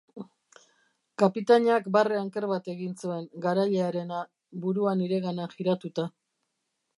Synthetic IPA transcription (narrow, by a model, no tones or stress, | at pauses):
kapit̪aɲakbareaŋke̞ɾβat̪e̞ɣinsue̞ŋɡaɾaʎeaɾe̞na | buɾuaniɾe̞ɣanaxiɾat̪ut̪a